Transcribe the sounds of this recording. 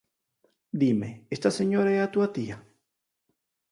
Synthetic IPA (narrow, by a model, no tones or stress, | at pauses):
d̪imeest̪aseɲoɾaɛat̪uat̪ia